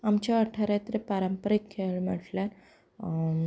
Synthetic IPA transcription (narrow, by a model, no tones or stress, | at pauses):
ɐmt͡ʃʰɐɐʈʰːɐɾet̪ːɾepɐɾɐmpɐɾikʰːeɻmeʈlɐn